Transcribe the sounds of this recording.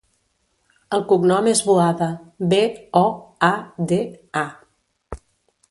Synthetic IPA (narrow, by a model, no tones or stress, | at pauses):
əlˠkuɡnɔmezβuaðəbeɔad̪ea